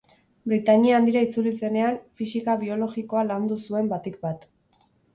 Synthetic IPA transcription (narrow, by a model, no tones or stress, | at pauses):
bɾit̪aɲiand̪iɾait͡sulise̞ne̞anfisikaβio̞lo̞ɣiko̞aland̪usue̞mbat̪ikbat̪